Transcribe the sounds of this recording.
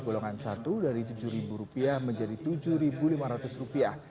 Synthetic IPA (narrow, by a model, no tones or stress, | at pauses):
ɡoloŋansat̪udaɾit̪ud͡ʒuɾibuɾupiahməɲd͡ʒadit̪ud͡ʒuhɾibulimaɾat̪ʊsrupiah